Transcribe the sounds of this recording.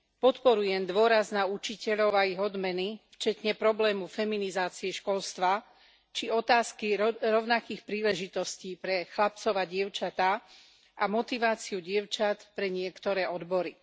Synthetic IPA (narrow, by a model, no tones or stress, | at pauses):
pɔt̪pɔɾujɛmd̪ʋʊɔɾaznaut͡ʃicɛʎɔʊaiɣɔd̪mɛnift͡ʃɛt̪ɲɛpɾɔblɛːmufɛminizaːt͡siɛʃkɔlst̪ʋa | t͡ʃiɔt̪aːskiɾɔʊnakiːxpɾiːlɛʒit̪ɔsciːpɾɛxlap̚t͡sɔʋaɟɪɛʊt͡ʃat̪a | ʔamɔt̪iʋaːt͡siuɟɪɛʊt͡ʃat̪pɾɛɲɪɛkt̪ɔɾɛːɔd̪bɔɾi